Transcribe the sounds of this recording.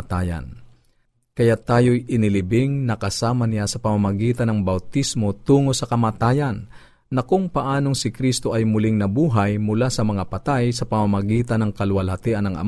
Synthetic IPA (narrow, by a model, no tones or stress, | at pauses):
t̪aːjɐ̰n | kɐjat̪aːjo̞jɪnɪlɪbɪŋnɐkɐsaːmɐnɪjasɐpɐmamɐɡiːt̪ɐnɐŋbɐwt̪ismo̞t̪uːŋo̞sɐkɐmaːt̪aːjɐnː | ɐkʊŋpɐʔaːno̞ŋsɪkɾist̪o̞ʔɐjmʊlɪŋnɐbuːɦɐjmʊlasɐmɐŋapɐt̪ajsɐpɐmamɐɡiːt̪ɐnɐŋkɐlʊwɐlhɐt̪iʔɐnɐŋʔɐ̰m